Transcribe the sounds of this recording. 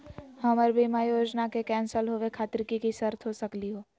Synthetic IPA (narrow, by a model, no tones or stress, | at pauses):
hɐməɾbʱimajoːd͡ʒnakekɛ̃ːnsəlɦoʋekʰaːt̪ɾɪkikisəɾt̪ʰɦosɐkliɦoː